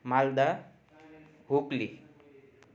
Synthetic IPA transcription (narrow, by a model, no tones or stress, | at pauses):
mald̪a | ɦokli